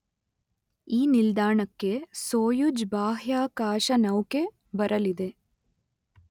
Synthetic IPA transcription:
iːnild̪aːɳɐkːe̞soːjud͡ʒbaːɦjaːkaːʃɐnɐwke̞ | bɐɾʔɐlid̪e̞

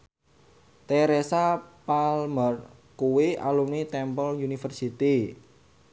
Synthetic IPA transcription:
t̪eɾesapalmər | kuwea̰lumnit̪ɛmpɔljunifərsit̪i

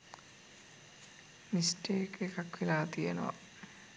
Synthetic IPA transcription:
misʈeːkekakʋilaːt̪ijenoʋa̰

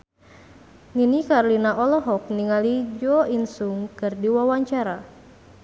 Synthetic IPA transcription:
ŋinikaɾlinaʔɔlɔɦɔk̚niŋalid͡ʒɔinsuŋkɨrdiwawaɲt͡ʃaɾa

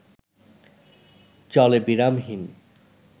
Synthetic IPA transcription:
t͡ɕɔlebiɾamɦin

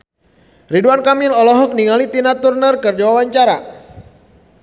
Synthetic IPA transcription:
riduankamilɔlɔɦɔk̚niŋalit̪inat̪urnərkɨrd͡ʒawawaɲt͡ʃaɾa̰

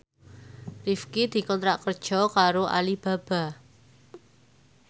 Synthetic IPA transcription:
rifkid̪̥i̤kɔnt̪ɾaʔkərd̥ʒ̥ɔ̤kaɾoʔa̰lib̥ä̤b̥a̤

